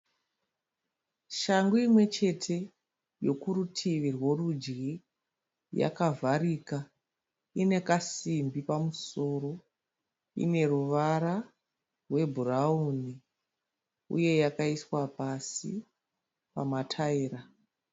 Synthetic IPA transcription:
ʃaŋɡuimwe̞t͡ʃe̞tʰe̞ | jo̞kuɾutʰiʋirwo̞rud͡ʒɡi | ja̰kavʱariːka | ine̞kasimbipamuso̞ːro̞ | ḭne̞ruʋaɾa | rwe̞bʱurauni | ṵje̞jakaiswapasḭ | pa̰matʰaiːɾa

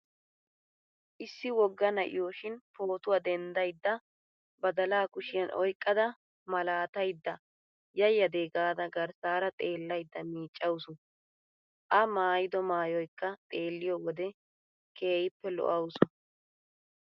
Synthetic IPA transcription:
ʔɪsːɪwɔɡːɐnɐʔɪ̰joːʃɪnpo̞ːt̪ʊwɐd̪ɛnd̪ɐjd̪ːɐ | bɐd̪ɐlaːkʊʃɪjɐnʔɔjkʼːɐd̪ɐ | mɐlaːt̪ɐjd̪ːɐ | jɐjːɐd̪eːɡaːd̪ɐɡɐɾsaːɾɐt̪ʼe̞ːlːɐjd̪ːɐmiːt͡ʃʼːɐwʊsʊn | ʔɐmaːjɪd̪ɔmaːjɔjkːɐt̪ʼe̞ːlːɪjɔwɔd̪ɛ | kʰe̞ːjɪpːɛlɔ̰ʔɐwʊsʊ

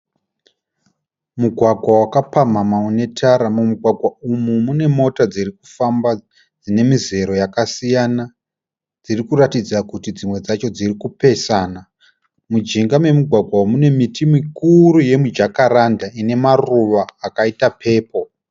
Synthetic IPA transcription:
muɡʱwaɡʱwawakapamamaune̞tʰaɾamumuɡʱwaɡʱwaumumune̞mo̞tad͡zirik̚ufamba | d͡zine̞mize̞ɾo̞jakasijana | d͡zirikuratid͡zakutid͡zimwe̞d͡zat͡ʃo̞d͡zirikupe̞saːna | mud͡ʒiŋɡamwe̞muɡʱwaɡʱwaumune̞mitimikuɾuje̞mud͡ʒakaɾandaine̞maruʋaːkaitapʰe̞ːpo̞

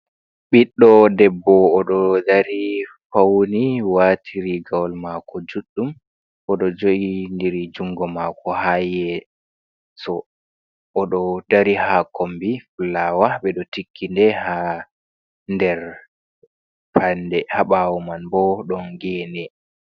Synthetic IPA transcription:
ɓiɗːɔdɛbːɔːɗɔdaɾi | fawniwatʰiɾiɡawlmakɔd͡ʒuɗːum | ʔɔɗɔd͡ʒoʔindiɾid͡ʒuŋɡɔmakɔhajɛ | sɔ | ʔːɗɔdaɾihakombiflawaɓɛɗɔtikʰːindɛha | ndɛɾ | pandɛhaɓawɔmanbɔɗɔnɡɛːnɛ

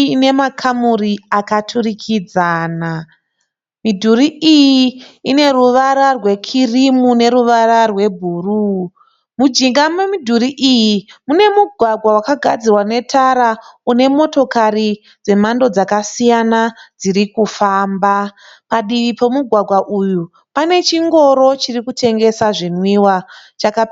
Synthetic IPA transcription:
ne̞makʰamuriakatʰurikʰid͡zaːna | midʱuɾiʔijiine̞ruʋaɾarwe̞kʰirimune̞ɾuʋararwe̞bʱuru | mud͡ʒiŋɡamemidʱuɾiʔijimune̞muɡʱwaɡʱwawakaɡʱa̰d͡zirwane̞tʰaɾaune̞mo̞to̞kari | d͡ze̞mando̞d͡zakasijanad͡ziɾikufaːmba | paɗiipo̞muɡʱwaɡʱwaʔuju | pane̞t͡ʃiŋɡo̞ɾo̞t͡ʃirikutʰe̞ŋɡe̞saʐinwiwat͡ʃakapː

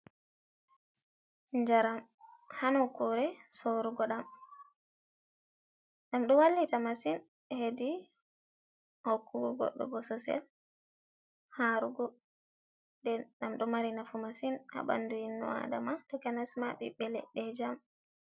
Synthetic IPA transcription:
ɲd͡ʒaɾamhanɔkːuɾɛsoɾuɡɔɗam | ɗamɗɔwalːitamasin | hedi | hokːuɡuɡɔ̰ɗːɔ̰ɡɔsɔsɛ̰l | haɾuɡɔ | dɛɗamɗɔmaɾinafumasinha̰ɓa̰nduinːɔ̰a̰damatɔɡanasmaɓḭbɛlɛ̰ɗɛd͡ʒam

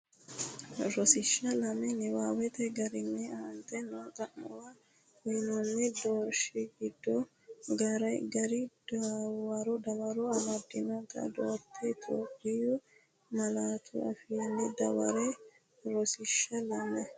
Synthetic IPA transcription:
ɾɔsɪʃːɐlɐmɛnɛwaːwɛt̪ɛɡɐɾɪnːɛaːnt̪ɛnɔːt̪ʼɐʔːɔwa | wɛnɔnːɛd̪oːɾʃɪɡɪd̪ːɔ | ɡɐɾɐjɡɐɾɪd̪awɐɾɔd̪ɐwɐɾɔɐmɐd̪ːɪnɐt̪ʼɐ̰d̪oːt̪ʰːɛt̪ʰo̰ːpʼːɪjʊ | mɐlaːt̪ʰʊ̰ɐfiːnːɛd̪ɐwɐ̰ɾɛ | ɾɔsɪʃːɐlɐmːɛ

